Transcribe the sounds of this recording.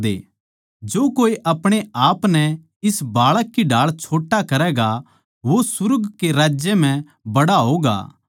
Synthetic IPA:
d̪ḛː | d͡ʒoːkoːiʔɐpɽ̃eaːpnɛ | ɪsbaːɭəkːiɖʱaːɭt͡ʃʰoːʈːakɐɾɛɡa | ʋosʊɾɡkeɾaːd͡ʒjem̤ɛ̃ | bɐɽaɦoːɡa̰ː

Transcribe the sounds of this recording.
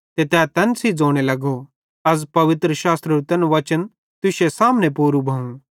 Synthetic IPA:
t̪et̪ɛːt̪ɐnsid͡zoːɽ̃elɐɡo | ɐzpɐʋɪt̪ɾəʃaːst̪ɾəɾut̪ɛnʋɐt͡ʃən | t̪ʊʃesaːmnepuːɾubʱɐũ

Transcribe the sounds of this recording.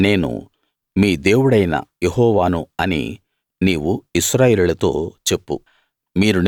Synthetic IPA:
ne̞ːnṵ | miːd̪e̞ːwuɽɐjnɐ̰jeɦɔːʋaːnuɐnḭ | niːʋuisɾaːjeːlulɐt̪o̞ːt͡ʃe̞pːu | miːɾun

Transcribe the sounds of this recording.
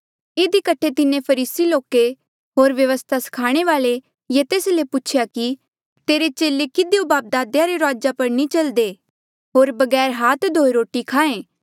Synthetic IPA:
ed̪ikəʈʰet̪ɪnẽpʰɐɾiːsiloːke | ɦoːɾʋjɐʋəst̪ʰasɐ̥kʰaːɽ̃eʋaːle | jat̪eːslepʊt͡ʃʰjaki | t̪eːɾet͡ʃeːlekɪd̪iõbaːp̚d̪aːd̪jaɾeɾaːd͡ʒapɐɾnit͡ʃɐld̪eː | ɦoːɾbɐɡɛːɾɦaːt̪d̪ʱoːeɾoːʈikʰaːẽː

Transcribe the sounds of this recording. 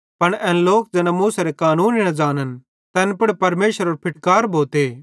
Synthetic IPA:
pɐɽɛ̃ːnloːk̚d͡ʒɛːnamuːsɐɾekaːnuːninɐd͡ʒaːnən | t̪ɛːnpɪɽpɐɾmeːʃəɾoɾpʰɪʈkaːɾbʱoːt̪eː

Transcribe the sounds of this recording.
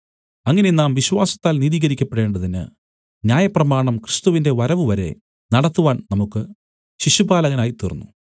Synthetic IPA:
ɐŋːɐne̞naːmʋiɕwaːsɐ̥t̪ːaːlniðiːɣɐɾikʲːɐpːeɽe̞ːɳɖɐðinɨ̰ | njaːjɐprɐmaːɳɐmkrɨst̪uʋinde̞ʋɐɾɐʋɨʋɐɾe̞̰ | nɐɽɐt̪ːuʋaːnnɐmukːɨ | ɕiɕubaːlɐɣɐnaːjit̪urɐnːu

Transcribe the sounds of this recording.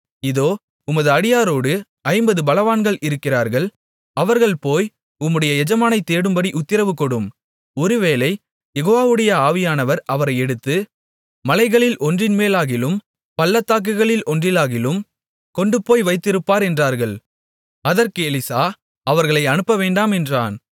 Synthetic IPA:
ɪðoː | ʊmɐðɯɐɽɪjaːɾoːɽɯ | ɐɪmbɐðɯbɐlɐʋaːnɡɐɭɪɾɯkːɪraːɾɣɐɭ | ɐʋɐɾɣɐɭpoːj | ʊmːɯɽɐjɐɛd͡ʒɐmaːnɐɪt̪ːeːɽɯmbɐɽiʔʊt̪ːɪɾɐʋɯkːɔɽɯm | ɔɾɯʋeːlɐɪ | jɛɣoːʋaːʋɯɽɐjɐaːʋɪjaːnɐʋɐɾɐʋɐɾɐɪɛɽɯt̪ːɯ | mɐlɐɪɣɐɭɪlʔɔndrɪnmeːlaːɣɪlɯm | pɐlːɐt̪ːaːk̬ːɯɣɐɭɪlʔɔndrɪlaːɣɪlɯm | kɔɳɖɯpoːjʋɐɪt̪ːɪɾɯpːaːɾɛndraːɾɣɐɭ | ɐðɐɾkɯɛlɪsaː | ɐʋɐɾɣɐɭɐɪɐnɯpːɐʋeːɳɖaːmɛndraːn

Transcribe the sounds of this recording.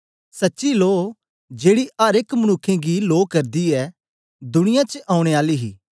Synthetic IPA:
sɐtːʃiloː | d͡ʒeːɽiaːɾekmɐñʊkʰːẽɡiloːkɐɾd̪iɛ | d̪ʊɽ̃ɪjãt͡ʃəʔaːʊ̃ɽ̃eaːliɦḭː

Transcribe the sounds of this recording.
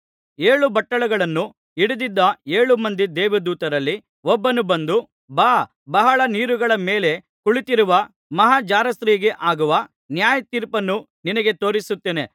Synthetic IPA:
eːɭubɐʈːɐɭɐɡɐɭɐnːu | iɽud̪id̪ːɐeːɭumɐnd̪id̪ɛːʋɐd̪uːt̪ɐɾɐlːi | ɔbːɐnubɐnd̪u | baː | bɐɦɐɭɐniːɾuɡɐɭɐme̞ːle | kuɭit̪iɾuʋɐ | mɐɦaːd͡ʒaːɾɐst̪ɾiːɡeʔaːɡuʋɐ | njaːjɐt̪iːɾpɐnːu | ninɐɡe̞t̪o̞ːɾisut̪ːeːne̞

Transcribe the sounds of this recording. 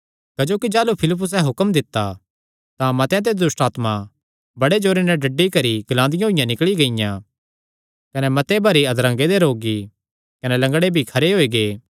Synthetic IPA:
kɐd͡ʒoːkid͡ʒaːlupʰɪlɪp̬ːʊs̬ɛɦʊkəmd̪ɪt̪ːa | t̪ãmɐt̪ej̃t̪̬ed̪ʊsʈaːt̪ma | bɐɽed͡ʒoːɾenɛɖɐɖːikɐɾiɡlãːnd̪ɪjãɦʊɪjãnɪkɭiɡɐɪjã | kɐnɛmɐt̪ebʱɐɾiɐd̪ɾãŋɡed̪eɾoːɡi | kɐnɛlɐ̃ŋɡɽebʱikʰɐɾeɦoːiɡeː

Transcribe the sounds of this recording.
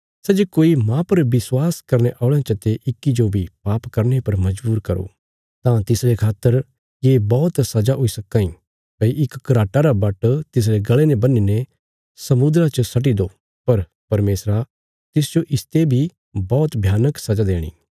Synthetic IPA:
sɛd͡ʒekoːimãpɐɾʋɪswaːskɐɾneʔaːɭãt͡ʃɐt̪eʔɪkːid͡ʒobʱipaːpkɐɾnepɐɾmɐd͡ʒbuːɾkɐɾo̰ | t̪ãt̪ɪsɾekʰaːt̪ːəɾ | jeːbɔːt̪sɐd͡ʒaɦoisɐkːãĩ | kɐiʔɪkːɾaːʈaɾabɐʈt̪ɪs̬ɾeɡɐɭenẽbɐnːine | sɐmʊd̪ɾat͡ʃəsɐʈ̬id̪o | pɐɾ | pɐɾmeːsɾa | t̪ɪsd͡ʒoʔɪst̪ebʱi | bɔːt̪bʱjaːnəksɐd͡ʒad̪eːɽ̃ḭː

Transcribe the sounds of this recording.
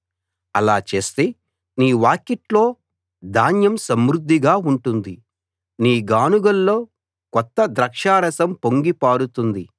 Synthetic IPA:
ɐlaːt͡ʃe̞ːst̪e̞ː | niːʋaːkeʈlo̞ː | d̪ʱaːnjɐmsɐmɾud̪ʱːiɡaːuɳʈund̪i | niːɡaːnuɡɐlːo̞ː | kɔt̪ːɐd̪ɾɐkʂaːɾɐsɐmpoŋɡipaːɽut̪und̪i

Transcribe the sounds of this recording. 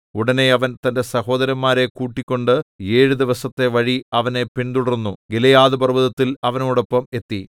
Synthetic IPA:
uɽɐne̞ɐʋɐnt̪ɐnde̞sɐho̞ːd̪ɐɾɐmːaːɾe̞kuːʈːikʲːo̞ɳɖɨe̞ːɻud̪iʋɐsɐt̪ːe̞ʋɐɻiɐʋɐne̞pint̪uɽɐɾnːuɡelɐjaːðɐbɐrʋɐðɐt̪ːilɐʋɐnoːɽo̞pːɐme̞t̪ːi

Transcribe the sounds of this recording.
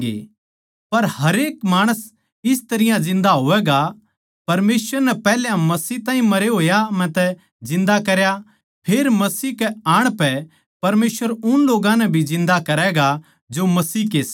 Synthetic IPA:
ḛː | pɐɾɦɐɾeːkmaːɽ̃əs | ɪst̪ɐɾɪjãd͡ʒɪ̃nd̪aɦoːʋɛːɡa | pɐɾmeːsəɾnɛpɛːljãmɐsiːt̪ãːĩmɐɾeɦoːjamɛ̃t̪ɛ | d͡ʒɪ̃nd̪akɐɾja | pʰeːɾmɐsiːkɛaːɽ̃pɛ | pɐɾmeːsʋəɾʊnloːɡãnɛbʱizɪ̃nd̪akɐɾɛɡa | d͡ʒomɐsiːkeːs

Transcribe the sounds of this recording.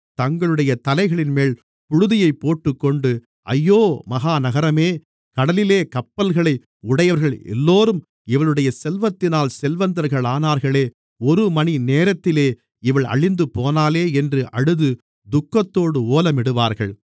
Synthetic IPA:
t̪ɐŋɡɐɭɯɽɐjɐt̪ɐlɐɪɣɐɭɪnmeːl | pʊɻʊðɪjɐɪpːoːʈːɯkːɔɳɖɯ | ʔɐ̰jːoːmɐɣaːnɐɣɐɾɐmeː | kɐɽɐlɪleːkɐpːɐlɣɐɭɐɪ | ʊɽɐjɐʋɐɾɣɐɭɛ̰lːoːɾɯm | ɪʋɐɭɯɽɐjɐsɛlʋɐt̪ːɪnaːlsɛlʋɐnd̪ɐɾɣɐɭaːnaːɾɣɐɭeː | ɔɾɯmɐnineːɾɐt̪ːɪleː | ɪʋɐɭɐ̰ɻɪnd̪ɯpoːnaːleːɛndrɯʔɐɽɯðɯ | d̪ʊkːɐt̪ːoːɽɯoːlɐmɪɽɯʋaːɾɣɐɭ

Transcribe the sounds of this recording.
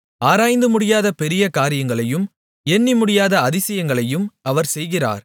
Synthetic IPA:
ʔaːɾaːjnd̪ɯmʊɽɪjaːðɐpɛɾɪjɐkaːɾɪjɐŋɡɐɭɐjɯm | ɛɳːimʊɽɪjaːðɐɐðɪsɐjɐŋɡɐɭɐjɯmɐʋɐɾsɛjɣɪra̰ːɾ

